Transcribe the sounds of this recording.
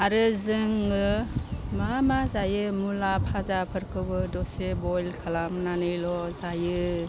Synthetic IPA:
aɾɯzɯŋɯmamazajɯmulapʰazapʰɯɾkʰɯbɯdɔsebɔjlkʰalamnanɯjlɔzajɯ

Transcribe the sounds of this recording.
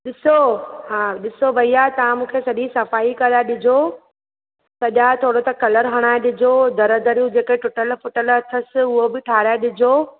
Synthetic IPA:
ɗɪsoɦaɗɪsoʋɐiaːet̪ɐʋãmũːkʰesɐʄisɐfaːikɐɾaːɗɪd͡ʑʱo | sɐʄat̪ʰoːɽot̪ɐkɐləɾɦɐɽ̃aːeɗɪd͡ʑʱod̪ɐɾəd̪əɾijũd͡ʑeːkeʈʊːʈəlfʊʈəlɐt̪ʰəsɪ̆ʊɦobɪʈʰaːɾaeɗɪd͡ʑʱoː

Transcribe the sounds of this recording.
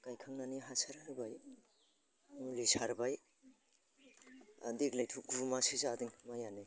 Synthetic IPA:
kajkʰaŋnaniɦasaɾaɾbaj | lisʰaɾbaj | diklajtʰuɡumasizadiŋmajani

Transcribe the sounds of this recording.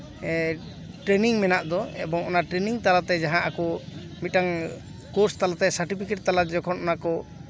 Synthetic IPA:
ʈɾɛniŋmɛnaʔd̪ɔɛbɔŋɔnaʈɾɛniŋt̪alat̪ɛd͡ʒaɦãʔakɔ | mit̪̚ʈaŋ | kɔɾst̪alat̪ɛsaɾʈipʰikeʈ̚t̪alad͡ʒɔkʰɔnɔnakɔ

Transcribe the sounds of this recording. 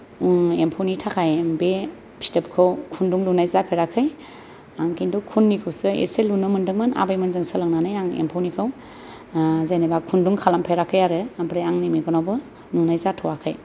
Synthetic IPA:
uŋempʰownitʰakʰajmbe | pʰi̥stɐp̚kʰɯwkʰunduŋlunajzapʰeɾakʰɯj | aŋkʰinduwkʰunːikʰɯwsɯḛselunːɯmɯndɯŋmana̰bajmɯnzɯŋsalaŋnanajaŋḛmpʰawnikʰaw | zajnabakʰunduŋkʰalampʰeɾakʰɯjaɾɯabɾejaŋnimiɡɔnawbɯ | nunajzatʰɔwakʰaj

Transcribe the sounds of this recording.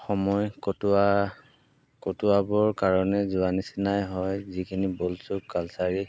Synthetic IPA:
xɔmɔjkta | kotʊabɔɹkaɹɔnɛzʊanisinajɦɔjzikʰinibolsʊkalsaɹi

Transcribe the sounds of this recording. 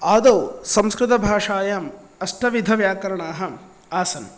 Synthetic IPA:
aːd̪oːsɐmskɾɪt̪ɐbʱaːʂaːjaːm | ɐʂʈʰɐʋid̪ʱɐʋjaːkɐɾɐɳaːɦɐ̆ | aːsɐn

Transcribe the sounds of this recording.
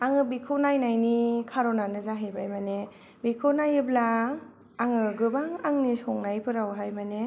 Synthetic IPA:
aŋɯbikʰɯnajnajnikʰaɾɔnanɯzaɦɯjbajmane | bikʰɯwnajɯblaː | ŋɯɡɯbaŋaŋnisɔŋnajpʰɯɾawɦajmane

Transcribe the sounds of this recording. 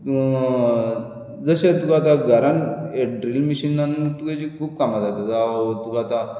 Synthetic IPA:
d͡zəɕet̪ukaat̪̬aɡʱəɾaneɖɾilmiɕinːanut̪uket͡ɕiːkʰuːb̚kamat̪at̪ed͡zaːɦot̪ukaat̪a

